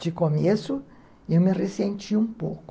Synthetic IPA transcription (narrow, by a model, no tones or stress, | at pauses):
d͡ʒɪkomesʊ | ewmɪresẽnt͡ʃiũpowkʊ